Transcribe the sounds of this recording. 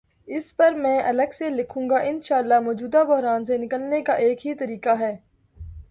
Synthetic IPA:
ɪspɐɾmɛ̃ːʔɐləɡselɪkʰũːŋɡaʔɪnʃaːəlːamɔːd͡ʒuːd̪abʊɦɾaːns̬enɪkəlnekaʔeːkɦit̪ɐɾiːkaɦɛː

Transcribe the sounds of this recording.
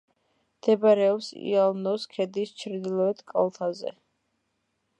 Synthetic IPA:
md̪̥ɛbaɾɛɔpsḭalˠnɔskʰɛd̪ist͡ʃʰɾd̪ilˠɔɛt̪ʰkʼa̰lˠt̪ʰazɛ̰

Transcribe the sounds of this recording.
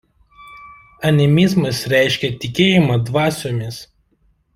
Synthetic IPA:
ɐnʲɛmʲɪzmɐsɾʲæˑɪʃʲkʲɛt̪ʲɪkʲeːjɪmɐd̪ʋɑːsʲomʲɪs

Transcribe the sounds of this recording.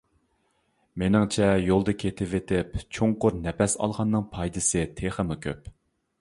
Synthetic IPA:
menɪŋt͡ʃʰɛjolˠd̪ɨkʲʰet̪ʰɪvet̪ʰɪpt͡ʃʰoŋqʊɾnɛpɛsɑ̰lˠʁɑnːɨŋpʰɑjd̪ɨsɨt̪ʰeχəmukʲʰø̰p

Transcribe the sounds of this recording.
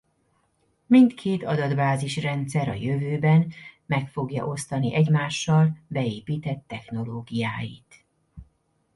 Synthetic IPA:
mint̪kʰeːt̪ɒd̪ɒd̪baːziʃrɛnt̪sɛɾɒ̰jø̞vøːbɛnmɛkfo̞ɡjɒ̰ʔo̞st̪ɒniʔɛɟmaːʃːɒlbɛeːpiːt̪ɛt̪ːɛxno̞loːɡijaːjit̪

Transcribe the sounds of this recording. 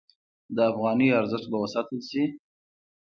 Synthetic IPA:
d̪əafɣɑniaɾzɪʃt̪̚bawəsɑt̪əlsi

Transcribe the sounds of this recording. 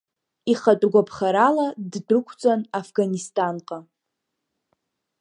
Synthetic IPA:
iχatʼɡʷapʰχaɾaladdrɨkʷʰt͡sʼanafɡanistʰʼanqʼa

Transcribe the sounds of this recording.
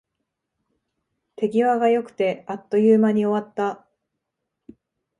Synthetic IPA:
t̪e̞ɡʲiβaɡajo̞kɯ̟̥t̪e̞at̪ːo̞jɯːmaɲ̟io̞βat̪ːa

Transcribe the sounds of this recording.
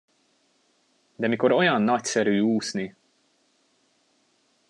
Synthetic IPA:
d̪ɛmikɔɾʔɔjɐnːɐt̪sɛɾjuːsni

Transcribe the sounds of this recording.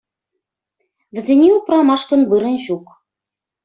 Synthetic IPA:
βɘ̆zʲĕnʲiuprɑmɑʃkɤ̆nβɯɾɤ̆nʑuk

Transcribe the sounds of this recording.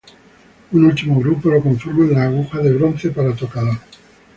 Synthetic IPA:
unult̪imoɣɾupolokoɱfoɾmoẽnlaːɣ̞uxaðeβɾonθepaɾat̪okaðoɾ

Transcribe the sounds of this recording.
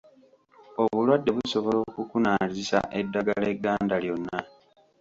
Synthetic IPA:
oβulwadːe̞βuso̞βo̞lo̞kukunaːzisa̰ʔe̞dːaɡale̞ɡːaːndaljo̞nːa

